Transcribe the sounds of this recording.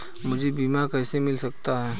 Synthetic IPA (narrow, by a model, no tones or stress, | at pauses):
mʊd͡ʒʱebiːmakɛːsemɪlsɐk̚t̪aɦɛː